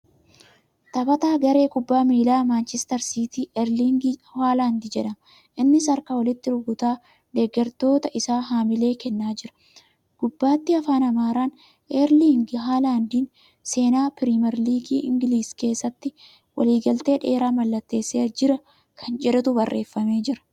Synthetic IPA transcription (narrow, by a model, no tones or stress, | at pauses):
t̪ɐbɐt̪aːɡɐɾe̞ːkʊbːaːmiːlaːmaːnt͡ʃɛst̪ɐɾsiːt̪iːʔɛɾliːŋɡhaːlaːnd̪id͡ʒɛᶑɐn | ʔɪnːɪsɐɾkawɐlɪt̪ːɪɾʊɡʊt̪aː | d̪ɛɡːɛɾt̪o̞ːt̪ɐʔɪsaːɦaːmɪle̞ːkɛnːaːd͡ʒɪɾɐ̥ | ɡ̥ʊbːaːt̪ːɪɐfaːnɐmaːɾaːn | ʔɛɾliːŋɡɦaːlaːnd̪iːn | se̞ːnaːpɪɾimɛɾliːɡiːʔɪŋɡɪliːske̞ːsːɐt̪ːɪ | wɐ̰liːɡɐlt̪e̞ːᶑe̞ːɾaːmɐlːɐt̪ːe̞ːsːeːd͡ʒɪɾɐ | kʰɐnd͡ʒɛᶑɐt̪ʊbɐrːʔe̞ːfːɐme̞ːd͡ʒɪɾɐ̥